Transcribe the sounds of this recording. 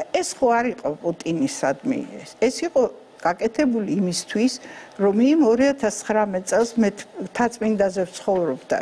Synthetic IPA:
ɛsχɔaɾiqʼɔpʼut̪ʼinisad̪mḭɛsɛsiqʼɔ | ɡ̥akʼɛt̪ʰɛbuliːmist̪ʰwisɾɔmimɔɾiat̪ʰast̪sʰχɾamɛt̪ʼsʼɛlˠsmɛt̪ʰt̪ʰat̪sʼmind̪azɛft̪sʰχɔvɾɔbd̪a̰

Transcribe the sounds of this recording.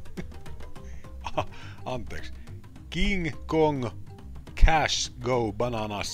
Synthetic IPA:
ɑnt̪eks | kiŋkoŋ | kʰæʃɡowbɑnɑnɑs

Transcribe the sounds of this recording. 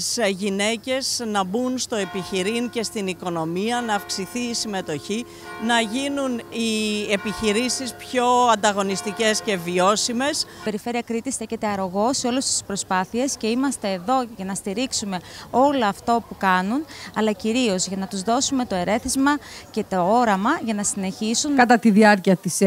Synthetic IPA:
sʝine̞ce̞znɐbunst̪o̞e̞piçiɾiŋce̞st̪iniko̞no̞miɐnɐːfksiθiːsime̞t̪o̞çi | nɐʝinuniepiçiɾisispço̞ɐnd̪ɐɣo̞nist̪ice̞sce̞vio̞sime̞spe̞ɾife̞ɾiɐkɾit̪isθe̞çet̪e̞ɐɾo̞ɣo̞seo̞lest̪i̥spɾo̞spɐθie̞sce̞imɐst̪e̞ːðo̞ʝɐnɐst̪iɾiksume̞o̞loɐft̪o̞pukɐnunɐlɐciɾio̞zʝɐnɐt̪uzðo̞sume̞t̪o̞e̞ɾʔe̞θizmɐce̞t̪oo̞ɾɐmɐʝɐnɐsine̞çisunkɐt̪ɐt̪iðiɐɾciɐt̪is

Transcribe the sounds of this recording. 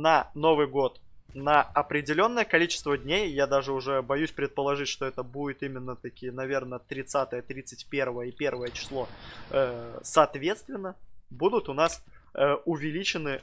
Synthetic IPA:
nəno̞vɨjɡo̞t̪ | nəɐpɾʲɪdʲɪlʲo̞nːəjəkɐlʲit͡ɕɪ̥st̪vədʲnʲejːad̪aʐɨʊʐɛbɐjʉsʲpɾʲɪt̪̚pəlˠɐʐɨtʲʂt̪o̞ɛt̪əbudʲɪt̪imʲɪnːət̪ɐkʲijənɐvʲe̞rnət̪ɾʲɪt̪sat̪əjət̪ɾʲit̪sɨtʲpʲe̞rvəjəipʲe̞rvəjət͡ɕɪ̥slˠo̞əsɐːt̪vʲe̞t̪st̪vʲɪnːəbud̪ʊt̪ʊnas | əʊvʲɪlʲit͡ɕɪnɨ

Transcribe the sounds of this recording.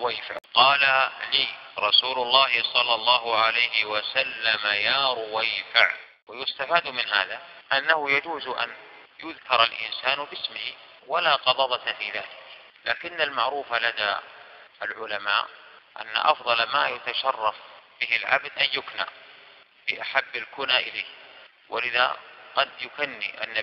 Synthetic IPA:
wajfa̰ʕqɑːlaliːɾˤɑsuːlʊlˤːɑːɦɪsˤɑlːɑlˤːɑːɦʊʕalajɦɪwasalːamajaːɾˤʊwajfa̰ʕ | wɪjʊst̪afaːd̪mɪnɦa̰ːðaʔanːahʊjad͡ʒuːzʔa̰n | jʊðkɑɾˤalʔɪ̰nsaːnbɪsmɪh | walaːqɑd̪ˤɑðˤɑt̪fiːðaːlɪk | laːkɪnːalmaʕɾuːfalad̪a̰ | alʕʊlama̰ːʔʔa̰nːa̰ʔɑ̰fðˤɑlmaːjat̪aʃɑrˤːɑfb̥ɪɦɪlʕa̰bd̪ʔanjʊkna̰ | fiʔaħabːalkʊnaʔɪlaːh | wʔɪ̰lɪða̰qɑd̪jʊkanːḭʔa̰nːa

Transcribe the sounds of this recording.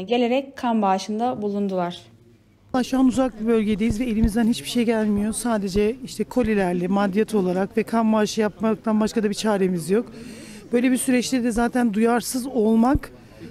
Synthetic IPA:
ɟe̞lʲe̞ɾɛckʰːanbaːʃɯnd̪abulˠund̪ulˠaɾ̥ˠ | aʃuanuzak̚bibø̞lʲɟe̞d̪e̞jizvɛelʲimizd̪ænhit͡ʃbiʃejɟælʲmijo̞saːd̪e̞d͡ʒɛiʃt̪ʰɛkʰo̞lʲilʲæɾlʲɛmad̪ijat̪ʰo̞lˠaɾakvɛkʰambaːʃɯjapmak̚t̪ʰanbaʃkad̪abit͡ʃʰaːɾe̞mizjo̞k | b̥ø̞jlʲebisyɾɛt͡ʃlʲɛd̪ɛzaːt̪ʰænd̪ujaɾsɯzo̞lˠmak

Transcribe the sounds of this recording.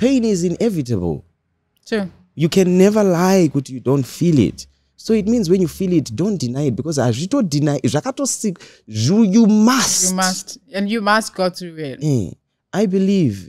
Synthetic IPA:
pʰẽnizĩnɛvitəbə̰lˠ | tʰu | jukʰɛ̃nːɛvəlajkwutjudõntfilˠḭt | soit̚mĩnzwɛ̃njufilˠitdõntd̥inajit̚b̥ikʰɔzaɹitodinajzakatɔsik | zujumasjmastɛ̃njumast̚ɡ̥oθɹuitɛ | ʔajbiliv

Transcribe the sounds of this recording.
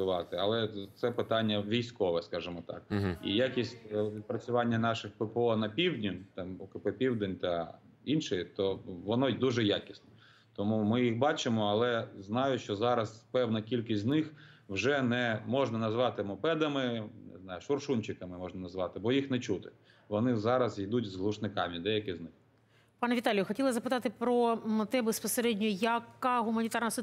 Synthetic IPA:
ʊʋɑt̪ɪɐlˠɛt̪sɛpɪt̪ɑnʲːɐʋʲijsʲkɔʋɛskɑʒɪmɔt̪ɑ̰k̚ḭjakʲisʲt̪̚ʲpɾɐt͡sʲʊʋɑnʲːɐnɑʃɪxpepɔnɐpʲiwdʲnʲʊt̪ɑmɔkɪpepʲiwd̪enʲt̪ɐ | inʃɪjt̪ɔʋɔnɔd̪uʒɛjakʲisnɔ | t̪ɔmumɪjixbɑt͡ʃɪmɔɐlˠɛznɑjʊʃt͡ʃɔzɑɾɐspɛwnɐkʲilʲkisʲtznɪxwʒɛnɛmɔʒnɐnɐzʋɑt̪ɪmɔpɛd̪ɐmɪnɪ̰znɑjʊʃɔrʃunʲt͡ʃɪkɐmɪmɔʒnɐnɐzʋɑt̪ɪbɔjixnɛt͡ʃut̪ɪ | ʋɔnɪzɑɾɐzid̪utʲzɦlˠʊʃnɪkɑmʲid̪ɛjɐkɪznɪx | pɑnɐʋʲit̪ɑlʲijʊxɔtʲilˠɐzɐpɪt̪ɑt̪ɪpɾɔt̪ɛbespɔseɾɛdʲnʲɔjjɐkːɑɦʊmɐnʲit̪ɑrnɐs

